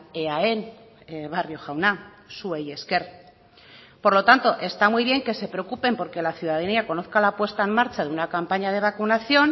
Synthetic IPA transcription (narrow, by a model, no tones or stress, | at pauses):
eae̞n | βarjo̞xawna | sueje̞ske̞ɾ | po̞ɾlo̞t̪ant̪o̞ʔe̞st̪amujβ̞jeŋke̞se̞pɾeokupe̞mpo̞ɾke̞laθjuðaðaniako̞no̞θkalapwe̞st̪ae̞mmaɾt͡ʃaðeunakampaɲað̞e̞β̞akunaθjo̞n